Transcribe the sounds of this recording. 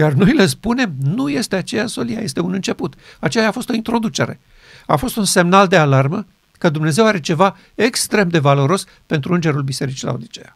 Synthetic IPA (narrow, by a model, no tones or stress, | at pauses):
jarno̞jiles̬pune̞mnuje̞st̪eat͡ʃe̞jaso̞lija̰je̞st̪eunɨnt͡ʃe̞put̪at͡ʃe̞jafo̞st̪o̞int̪ɾo̞d̪ut͡ʃe̞̰ɾe̞̰ | afo̞st̪unse̞mnald̪e̞alarmə | kəd̪umne̞ze̞waɾe̞t͡ʃe̞va | ekst̪ɾe̞md̪e̞valo̞ɾo̞s | pe̞nt̪ɾuɨnd͡ʒe̞ɾulbise̞ɾit͡ʃila̰ṵd̪it͡ʃe